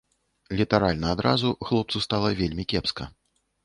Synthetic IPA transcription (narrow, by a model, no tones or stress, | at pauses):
lʲit̪aɾalʲnɐːd̪ɾazuxlˠɔp̪̚sust̪alˠɐvʲelʲmʲikʲɛpskɐ̰